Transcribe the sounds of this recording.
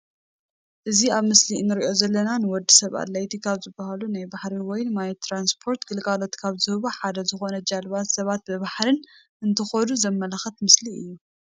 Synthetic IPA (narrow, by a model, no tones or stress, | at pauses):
ʔɨziaβmɨslinɨɾiʔo̞zɐlːɐnanɨwɔd̪ːisɐβa̰d̪lajt̪ʰikʰaβzɨbahalunajbaħɾiwɔjnɨmajt̪ʰːɾanspʰo̞ɾt̪ɡɨlɡalo̞t̪kʰaβzɨhɨβoħad̪ɐzɨxo̞nɐd͡ʒalβat̪sɐβat̪̚bɨβaħɾɨn | ɨnt̪ʰɨxɐnuzɐmːɐlɐxɐt̪mɨsliɨ̰jːu